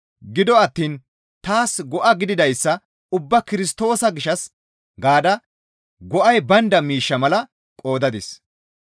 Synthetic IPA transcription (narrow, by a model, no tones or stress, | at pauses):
ɡɪd̪ɔɐt̪ːiːn | t̪aːsɡɔʔɐɡɪd̪ɪd̪ɐjsːɐ | ʊbːɐkɪɾɪst̪o̞ːsɐɡɪʃɐs | ɡaːd̪ɐ | ɡɔʔɐjbɐnd̪ɐmiːʃːɐmɐlɐ | kʼo̞ːd̪ɐd̪ɪs